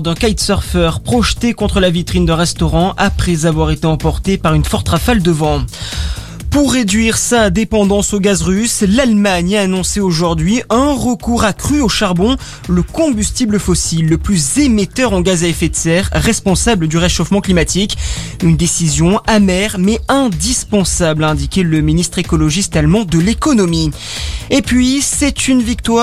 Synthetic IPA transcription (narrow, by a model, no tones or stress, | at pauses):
d̪ɛ̃kajt̪sœʁfœʁpχɔʃt̪ekɔ̃t̪χəlavit̪χind̪ɛ̃ʁɛst̪ɔʁɑ̃ʔapχɛzavwaʁet̪eɑ̃pɔʁt̪epaʁynfɔʁt̪ʁafald̪əvɑ̃ | puʁːed̪ɥiʁsad̪epɑ̃d̪ɑ̃soɡazʁyslalmaɲaːnɔ̃seoʒuʁd̪ɥiɛ̃ʁəkuʁakχyoʃaʁbɔ̃ | ləkɔ̃byst̪ibləfɔsilːəplyzemet̪œʁɑ̃ɡazaɛfet̪sɛʁːɛspɔ̃sabləd̪yʁeʃofmɑ̃klimat̪ik | ynd̪esizjɔ̃amɛʁmɛɛ̃d̪ispɑ̃sablaɛ̃d̪ikʲeləminist̪χekɔlɔʒist̪almɑ̃d̪əlekɔnɔmi | epɥisɛt̪ynvik̚t̪wa